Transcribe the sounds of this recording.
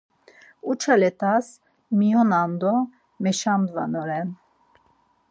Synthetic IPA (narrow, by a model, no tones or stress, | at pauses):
ut͡ʃʰalɛt̪ʰas | mijɔnand̪ɔ | mɛʃamd̪vanɔɾɛn